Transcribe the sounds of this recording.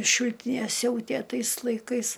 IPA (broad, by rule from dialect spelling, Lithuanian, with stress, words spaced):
ˈʃʲɪlʲtʲɪnʲeː ˈsʲɛʊtʲeː ˈtɐɪs lˠɐɪˈkɐɪs